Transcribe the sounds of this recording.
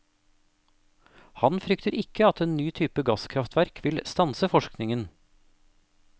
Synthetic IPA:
hɑnfɾʏkt̪əɾʔɪkəɑt̪eːnnyːt̪ʰyːpəɡɑskʰɾɑft̪ʰʋæɾkʰʋɪlst̪ɑnsəfɔʃknɪŋən

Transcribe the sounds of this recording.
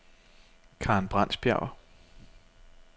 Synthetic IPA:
kʰɑ̈ːnb̥ʁɑ̈n̰sb̥jæ̰ʊ̰ɐ

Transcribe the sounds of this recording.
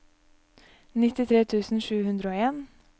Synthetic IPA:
nɪt̪ɪt̪ʰɾeːt̪ʰʉːsn̩ʃʉːhʉnd̪ɾəoːeːn

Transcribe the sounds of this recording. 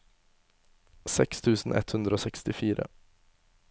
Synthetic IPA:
sɛkst̪ʰʉ̟ːsənʔɛ̰t̪hɵnd̪ɾəoːsɛkst̪ɪfiːɾə̰

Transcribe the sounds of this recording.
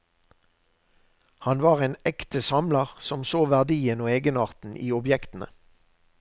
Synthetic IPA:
hɑnʋɑːʁeːnɛkt̪əsɑmlɑʁsɔmsoːʋæʁd̪iːənoːeːɡənɑːʁt̪n̩ʔiːɔbjɛkt̪n̩ə̰

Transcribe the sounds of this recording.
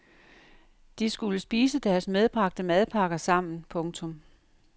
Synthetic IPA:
d̥isɡ̥uləsb̥iːsəd̥æɐsmeð̞ˠb̥ʁɑ̈ɡ̥̚d̥əmɛð̞ˠpʰɑ̈ɡ̥ɐsɑ̈m̰n̩pʰɔ̽ŋt͡sʰɔ̽m

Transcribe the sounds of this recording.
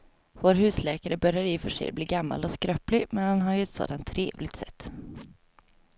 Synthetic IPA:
voːɾɦʉ̟ːslɛːkaɾəbœɾjaɾɪfœʂɛ̰jbliːɡamːa̰lɔskɾœːplɪmɛnhanɦaɾjɵɛt̪so̰ːd̪ant̪ʰːɾḛːvlɪɡt̪sɛ̰t̪ː

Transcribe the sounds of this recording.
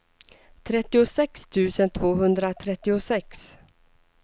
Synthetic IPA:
t̪ʰɾɛt̪ːɪʊsɛkst̪ʰʉ̟ːsənt̪ʰvoːɦɵnd̪ɾat̪ʰɾɛt̪ːɪʊsɛks

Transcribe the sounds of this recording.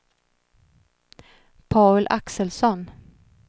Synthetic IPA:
pʰɑːʉlʔaksəlsɔn

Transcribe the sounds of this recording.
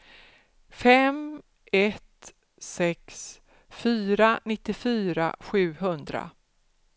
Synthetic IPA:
fɛm | ɛt̪ | sɛks | fyːɾanɪt̪ːɪfyːɾa̰ɧʉ̟ːɦɵnd̪ɾa̰

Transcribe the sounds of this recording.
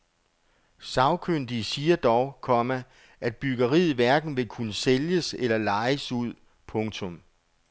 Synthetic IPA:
sɑ̈ʊkʰøn̰d̥isiːɐd̥ɒʊkʰɒ̽mæ | ʔæd̥̚b̥yɡ̥ɐʁiːð̩ˠʋæɐɡ̥n̩ʋe̝kʰunəseljəselɐlɑ̈ɪəsuð̞̰ˠ | pʰɔ̽ŋt͡sʰɔ̽m

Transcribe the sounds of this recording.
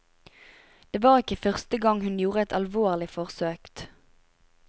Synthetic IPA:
d̪̥eːʋɑːʁɪkəfœʁst̪əɡɑŋhʉnjuːʁəɛt̪ɑlʋoːʁlɪfɔʁsøːkt̪

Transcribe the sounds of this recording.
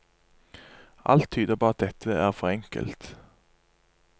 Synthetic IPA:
ʔa̰lt̪ʰːyːd̪əpʰɔat̪̚d̪ɛt̪ʰːəæʁfɔɾɛŋkə̰lt̪

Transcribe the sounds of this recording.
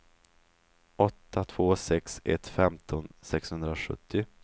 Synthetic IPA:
ʔɔt̪ʰːat̪ʰv̥oːsɛksɛ̰t̪fɛmt̪ʰɔnsɛkshɵnd̪ɾaɧɵ̰t̪ʰːɪ

